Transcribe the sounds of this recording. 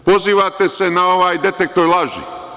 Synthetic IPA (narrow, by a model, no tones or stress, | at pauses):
po̞ziːʋat̪e̞senao̞ʋaːjd̪e̞t̪ek̚t̪oːjlˠaʒḭ